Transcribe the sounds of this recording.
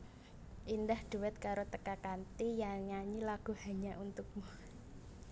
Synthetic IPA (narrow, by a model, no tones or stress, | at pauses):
ʔindahd̪̥uwɛt̪̚kaɾot̪əkakant̪ijaɲaɲilaɡ̥ṳhaɲaʔunt̪uk̚mu